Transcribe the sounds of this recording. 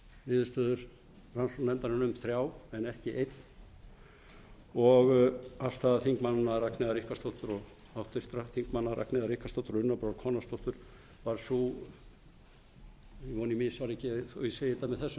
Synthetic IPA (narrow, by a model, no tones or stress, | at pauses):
nɪːðʏst̪œːðʏɾ̥ | ransɔnɛnt̪anɪnʏmθɾjaːwɛnɛhcɪʔejt̪n | ɔɣafst̪aðaθiŋkmanːaraknɛðaɾihkast̪oht̪ʏɾɔɣ | awht̪ɪr̥t̪ɾaθiŋkmanːaɾa̰knɛðaɾihkast̪owht̪ʏɾʏnːapɾawɾkʰɔːnast̪owht̪ʏɾ̥ | vaɾ̥su | vɔnimɪsaɾɛcɪɔɪseːjɪt̪amɛðθɛsːʏ